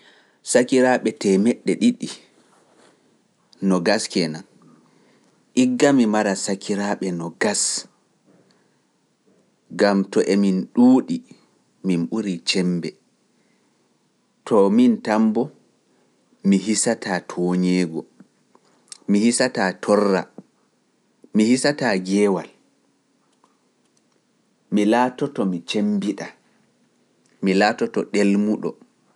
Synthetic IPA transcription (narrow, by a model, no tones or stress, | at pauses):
sakiɾaːɓɛtɛmɛɗːɛɗiɗi | nɔɡaskɛnan | ʔiɡːamimaɾasakʰiɾaɓɛnɔɡas | ɡamtɔʔɛminɗuːɗi | minɓuɾit͡ʃɛmbɛ | tʰɔmintambɔ | miɦisataːtʰɔɲɛːɡɔ | mihisatatʰɔrːa | mihisataɡɛːwal | milaːtɔtɔmit͡ʃembiɗa | milaːtɔtɔɗelmuɗɔ̰